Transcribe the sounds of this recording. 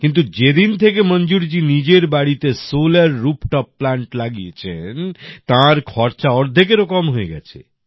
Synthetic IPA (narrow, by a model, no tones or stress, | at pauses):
kint̪ud͡ʒed̪int̪ʰekemɔnd͡ʒuɾd͡ʒinid͡ʒeɾbaɽit̪esolaɾːupʈɔpːlaɳʈlaɡiet͡ʃʰent̪ãɾkʰɔɾt͡ʃaɔɾd̪ʱek̬eɾokɔmɦoeɡa̰t͡ʃʰḛ